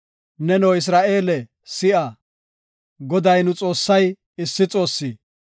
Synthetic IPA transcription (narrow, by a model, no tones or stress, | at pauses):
nɛnɔːɪs̬ɾaːʔe̞ːlɛ | sɪʔɐ | ɡɔd̪ɐjnʊt͡sʼo̞ːsːɐj | ɪsːɪt͡sʼo̞ːsːiː